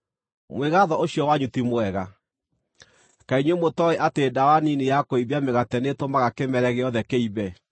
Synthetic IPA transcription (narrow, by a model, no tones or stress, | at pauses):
mweɣaðɔoɕijɔwaɲutimwɛɣa | kaiɲwemotɔeʔateːdawaninejakoibiameɣatɛnetomaɣakemɛɾɛɣeɔðɛkeiβɛ